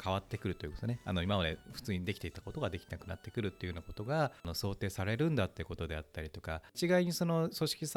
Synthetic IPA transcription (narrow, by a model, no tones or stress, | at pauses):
kʰaβ̞at̪ːe̞kɯ̟ɾɯ̟t̪o̞ji̟kot̪onea̰no̞imaβad̪eɸɯ̟̥t͡sɨːɲid̪e̞kʲt̪eit̪akot̪oɡad̪e̞kʲienakɯ̟nat̪ːe̞kɯ̟ɾɯ̟t̪ːe̞iɯnoko̞t̪o̞ɡano̞so̞ːt̪e̞ːsaɾe̞ɾɯ̟̃nd̪at̪ːeɯ̟ko̞t̪o̞d̪e̞at̪ːaɾʲit̪o̞kat͡ɕiɡaiɲ̟iso̞no̞so̞ɕi̥kʲis